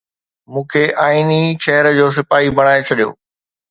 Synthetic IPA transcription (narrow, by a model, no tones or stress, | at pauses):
mũːkʰeʔaːiniʃɛɦəɾəd͡ʑoːs̬ɪpaːɦibɐɽ̃aːet͡ɕʰɐɗijo̰ː